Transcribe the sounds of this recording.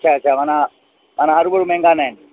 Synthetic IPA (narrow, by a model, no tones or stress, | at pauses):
t͡ʃʰat͡ɕʰamana | manaɦaɾubəɾumẽŋɡanɛn